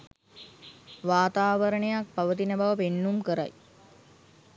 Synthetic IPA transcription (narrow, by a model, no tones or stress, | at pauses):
ʋaːt̪aːʋəɾəɳejak̚paʋət̪inəbaʋəpenːumkəɾa̰j